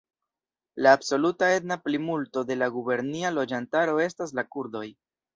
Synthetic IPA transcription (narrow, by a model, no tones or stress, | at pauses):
laːbso̞lutae̞dnaplimulto̞de̞laɡube̞ɾnialo̞d͡ʒantaɾo̞e̞stas̬lakuɾdo̞j